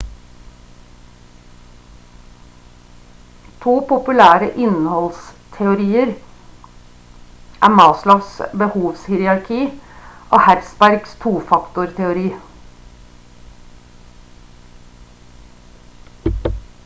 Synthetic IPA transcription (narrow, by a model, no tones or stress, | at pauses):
t̪ʰuːpʊpʉlæːɾəʔɪnhɔlst̪ʰɛʊɾiːəɾ | ʔæːmɑːslɑʋsbəhuːʋshiːɾɑɾkʰiːʔoːhæɾspæɾɡst̪ʰuːfɑkt̪ʊɾt̪ʰɛʊɾiː